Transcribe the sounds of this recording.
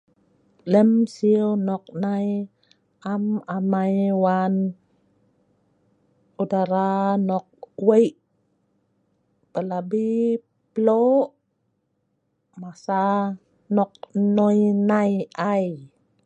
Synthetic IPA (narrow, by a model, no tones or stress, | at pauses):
lɛmsiwnɔk̚naj | amamajwan | udaɾanɔk̚wejʔ | pəlabi | plo | masa | nɔk̚nɔjnajaj